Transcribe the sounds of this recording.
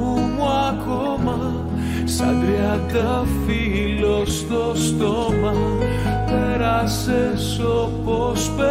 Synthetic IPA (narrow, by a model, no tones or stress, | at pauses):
umwako | ma | saðɾea | ða | fi | lost̪ost̪oma | peɾase | s | o | pospe